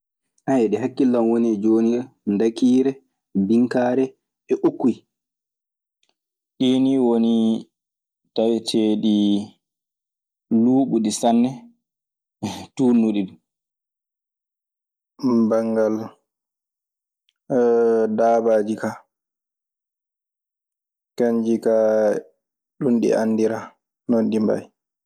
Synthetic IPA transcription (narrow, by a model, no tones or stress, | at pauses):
ʔajɛɗɛɦakːilːanwonid͡ʒoːnia | ndakiːɾɛ | biŋkaːɾɛ | ɛʔukːi | ɗiniwoni | tajtʰeːɗi | luːɓuɗisanːɛ | tuːnːuɗiɗum | baŋɡal | daːbaːd͡ʒika | kaɲd͡ʒika | ɗunɗḭʔanːdiɾa | nɔnɗimba̰j